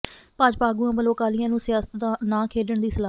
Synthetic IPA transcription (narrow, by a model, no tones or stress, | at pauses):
paːd͡ʒpaːɡuːãːbəloːkaːlɪjãːnũːsɪjaːsət̪d̪ãːnãːkʰeːləɳd̪iːsəlaː